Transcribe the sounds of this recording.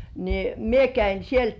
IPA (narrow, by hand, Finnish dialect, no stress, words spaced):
ni mie kæin̞ sielt